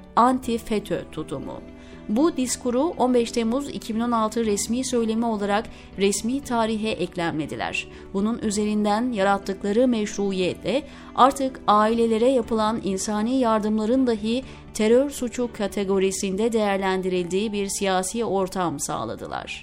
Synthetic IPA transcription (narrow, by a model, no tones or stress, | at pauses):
ant̪ʰifet̪ʰø̰t̪ʰut̪ʰumʊ̰ | bud̪iskuɾuʔo̞nbɛʃt̪ʰemuzḭcʰibino̞nalˠt̪ʰɯɾɛsmiːsø̞jlʲe̞mio̞lˠaɾak | ɾɛsmiːt̪ʰaːɾiɦɛʔɛclʲæmlʲe̞d̪ilʲæ̰ɾ̥ | bununʔyze̞ɾind̪ænjaɾat̪ːɯklˠaɾɯmɛʃɾuijɛt̪ʰlʲɛ | aɾt̪ʰɯkaːilʲe̞lʲe̞ɾɛjapɯlˠaninsaːniːjaɾd̪ɯmlˠaɾɯnd̪aɦɯ | t̪ʰe̞ɾøɾsut͡ʃʰukʰːat̪ʰe̞ɡo̞ɾisind̪ɛd̪e̞jæɾlʲænd̪iɾilʲd̪iːbiɾsijaːsiːo̞ɾt̪ʰamsa̰ːlˠa̰d̪ɯ̰lˠa̰ɾ̥